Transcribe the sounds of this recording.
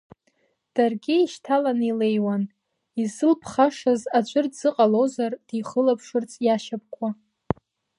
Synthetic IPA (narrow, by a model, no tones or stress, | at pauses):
d̥arɡʲɪiʃtʰalanile̞jwan | izɨlpʰχaʂazat͡ʃʷʼɨrdzɨqʼalozard̥iχəlapʰʂɨrt͡sʼjaʃap̚ʰʼkʷʰa